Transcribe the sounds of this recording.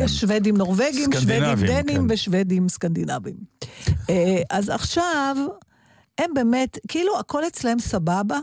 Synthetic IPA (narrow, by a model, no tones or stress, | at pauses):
jeʃʃvedimno̞ʁveɡimʃved̪imd̪enimveʃvedimskand̪inavim | eʔazaχʃav | e̞mbe̞me̞tkiiluako̞let͡slahemsababa